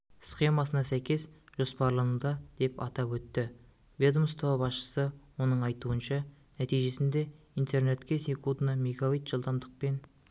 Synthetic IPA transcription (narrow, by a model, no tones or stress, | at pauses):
sχʲe̞mɑsənɑsæjkʲe̞sʒ̥o̞spɑɾlˠɑnud̪ɑd̪̥e̞pɑt̪ɑpwɵt̪ːɪ | ved̪mst̪ʰoɑbɑsʃə̥səwo̞nəɴɑjt̪uənʃɑnæt̪ijʒe̞sɪnd̪e̞ | int̪ʰe̞rne̞t̪kʲe̞sʲe̞kʰud̪nɑmeɡaijt̪ʒ̥əlˠd̪ɑmd̪əq̚pe̞n